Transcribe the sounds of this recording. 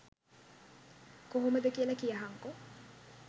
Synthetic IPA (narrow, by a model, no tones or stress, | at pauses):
koɦuməd̪əkijəlakijaɦaŋko